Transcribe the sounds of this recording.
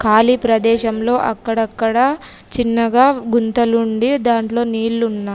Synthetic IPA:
kaːlipɾɐd̪ɛːʃɐmlo̞ːʔɐkːɐɽɐkːɐɽɐ | t͡ʃinːɐɡaːɡunt̪ɐluɳɖid̪aːɳʈlo̞ːniːlːunːaː

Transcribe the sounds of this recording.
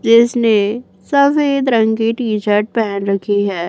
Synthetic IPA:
d͡ʒɪsne | sɐfeːd̪ɾɐ̃ŋɡkiʈiːt͡ʃəɾʈ̚pɛɦɛnɾɐkʰiɦɛː

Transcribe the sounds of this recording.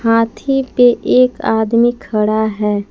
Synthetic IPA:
hãːt̪ʰipeʔeːka̰ːd̪mikʰːəɽaɦɛː

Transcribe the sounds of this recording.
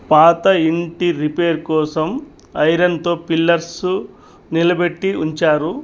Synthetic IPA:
paːt̪ɐiɳʈiɾipe̞ːɾkɔːsɐm | ɐjɾɐnt̪o̞ːpilːɐɾsu | nilɐbeʈːiuɲt͡ʃaːɾu

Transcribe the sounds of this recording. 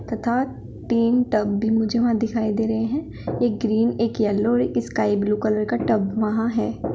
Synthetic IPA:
t̪ɐt̪ʰaːt̪ | t̪iːnʈɐbːʱimʊd͡ʒʱeʋɐɦãd̪ɪkʰaːid̪eːɾɐɦeɦɛ̃ | eːk̚ɡɾiːneːkjɛːlːɔːɾeːkɪskaːɪbluːkɐlɾkaʈɐbʋɐɦãɦɛː

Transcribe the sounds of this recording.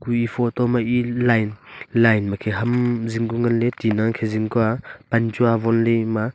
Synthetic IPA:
kuifʰɔt̪ɔmaʔilajnlajnmakʰeɦamziŋkuŋɡanletinaŋkʰeziŋkuapant͡ʃuavɔnlima

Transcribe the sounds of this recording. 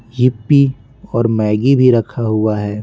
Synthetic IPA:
jɪpːi | ɔːɾmɛːɡibʱiɾɐkʰaɦʊaɦɛː

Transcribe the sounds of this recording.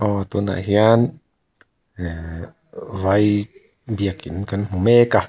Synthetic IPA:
ʔɔːt̪una̰hjan | waj | biəkːinkanm̥umeka

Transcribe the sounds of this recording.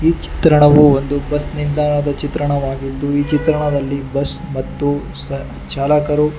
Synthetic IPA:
iːt͡ʃi̥t̪ɾɐɳɐʋuond̪ubɐsniɾd̪ʱaːɾɳɐd̪ɐt͡ʃit̪ɾɐɳɐʋaːɡit̪ːuiːt͡ʃit̪ɾɐɳɐd̪ɐlːibɐsmɐt̪ːu | sɐ | t͡ʃaːlakɐɾu

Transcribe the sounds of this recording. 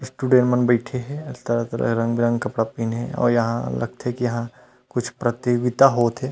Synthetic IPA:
sʈuːɖẽɳʈmənbəɪʈʰeɦɛ̃ɪst̪ɐɾat̪ɐɾə̰kɾɐ̃ŋɡbʱiɾɐ̃ŋɡkɐpɽapiːneɦɛ̰̃ɔ̰ːɾjɐɦã̰lɐ̰ɡ̚t̪ɦɛ̃kijɐɦã | kʊt͡ʃʰpɾɐt̪eɡɪt̪aɦoːt̪ɦɛː

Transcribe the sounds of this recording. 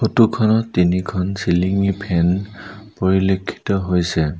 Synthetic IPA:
xotukʰɔnɔtːinikʰɔnsiliŋipʰɛnpɔɹilekʰːi̥tɔɦojsɛ

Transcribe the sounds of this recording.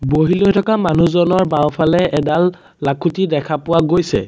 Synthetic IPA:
boɦilojtʰɔkamanuzɔnɔɹbaɔpʰalɛɛdalː | akʰutidɛkʰapʊwaɡojsɛ̰

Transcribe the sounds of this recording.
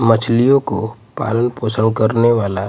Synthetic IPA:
mət͡ʃʰlijõko | pa̰ːlənpoːsəŋɡ̚kəɾneʋaːla

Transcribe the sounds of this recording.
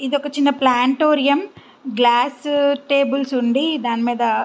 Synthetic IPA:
id̪iɔkɐt͡ʃinːɐplaːɳʈoːɾijɐm | ɡlaːsʈeːbulsuɳɖid̪aːnimiːd̪ɐ

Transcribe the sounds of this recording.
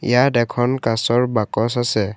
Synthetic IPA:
ḭjadɛkʰɔnkasɔɹbakɔsasɛ

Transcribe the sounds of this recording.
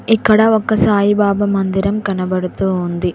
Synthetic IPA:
ikːɐɽɐɔkːɐsaːjibaːbɐmɐnd̪iɾɐmkɐnɐbɐɽut̪uːnd̪i

